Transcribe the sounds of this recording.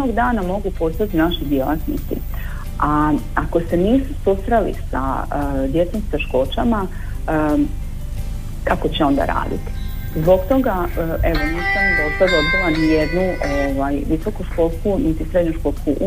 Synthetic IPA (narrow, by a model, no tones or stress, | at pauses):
oɡd̪aːnamo̞ɡupo̞st̪at̪inaʃid̪je̞lˠat̪nḭt̪sḭ | aako̞se̞niːsusust̪ɾalḭsa̰d̪je̞t̪somst̪e̞ʃko̞ːt͡ɕama | kako̞t͡ɕeo̞nd̪a̰ɾa̰ːd̪ḭt̪i̥ | zbo̞kt̪o̞ɡae̞ʋo̞nasanid̪ost̪ad̪ob̪bilanijed̪nuʔoʋajʋiso̞kuʃko̞ːlˠskunit̪isɾe̞d̪ɲuʃkolˠskuʔ